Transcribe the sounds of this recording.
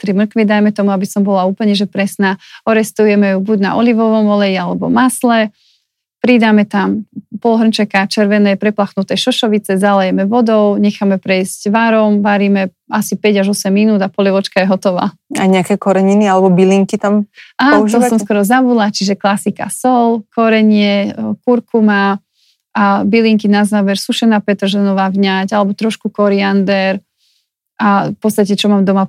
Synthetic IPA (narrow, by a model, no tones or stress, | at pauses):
t̪ɾimr̩kʋid̪ajmɛt̪ɔmuabisɔmbɔlauːpl̩ɲɛʒɛpɾɛsnaːɔɾɛst̪ujɛmɛjubuɟna̰ʔɔliʋɔʋɔmɔlɛjialɛbɔ̰maslɛ | pɾid̪amɛt̪ampɔlɦr̩nt͡ʃɛkat͡ʃɛɾʋɛnɛːpɾɛplaxnut̪ɛʃɔʃɔʋit͡sɛzalɛjɛmɛʋɔd̪ɔʊɲɛxamɛpɾɛjzcʋaɾɔmʋaɾiːmɛ | asipɛɟaʒɔsɛmːinuːd̪apɔlɛʋɔt͡ʃkajɛɦɔt̪ɔʋa̰ːajɲɛakɛkɔɾɛɲinialɛbɔbiliŋkit̪amʔat̪ɔɔmskɔɾɔzabud̪lat͡ʃiʒɛklasika̰sɔlkɔɾɛɲɪɛkuɾkuma | abiliŋkinazaːʋɛɾsuʃɛnapɛt̪r̩ʒɛnɔʋaːvɲaɟalɛbɔt̪ɾɔʃkukɔɾiand̪ɛɾ | ʔafpɔt͡st̪ac̬ɛt͡ʃɔmaːmd̪ɔma